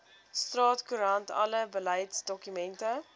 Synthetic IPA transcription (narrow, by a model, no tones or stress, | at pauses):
strɑːtkuɾɐntɐ̰ləbəlɛjtsdɔkymɛntə